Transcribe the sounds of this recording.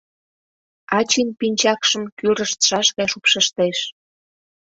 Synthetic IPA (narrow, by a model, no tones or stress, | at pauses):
ɑt͡ɕinpinʲt͡ɕɑkʃə̆mkyɾəʃt̪ʃɑʃɣɑjʃupʃəʃt̪eʃ